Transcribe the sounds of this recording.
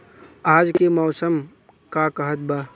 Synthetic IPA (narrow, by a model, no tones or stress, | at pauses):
aːd͡ʒkemɔːsəm | kakəɦət̪̚baː